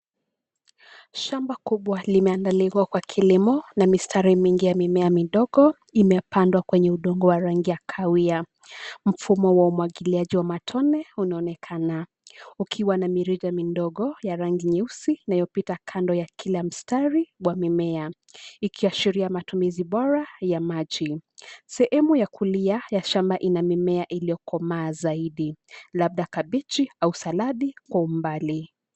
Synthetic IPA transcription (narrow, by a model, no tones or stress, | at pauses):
ʃambakuɓwalimɛandaliwakwakʰilimɔnamistʰaɾimiŋɡijamimɛamiɗɔɠɔ | imɛpandwakwɛɲɛuɗɔŋɡɔwaɾaŋɡijakʰawia | m̩fumɔwaumwaɠiliaʄiwamatʰɔnɛunaɔnɛkʰana | ukʰiwanamiɾid͡ʒamindɔɠɔjaɾaŋɡiɲɛusiːnajɔpitakʰandɔjakʰilam̩staɾiɓwamimɛa | ikʰiaʃiɾiamatumiziɓɔɾajamaʄisɛhɛmujakuliajaʃambaʔinamimɛaʔilijɔkʰɔmaːzaiɗilab̚ɗakaɓit͡ʃiausalaɗikwaumbali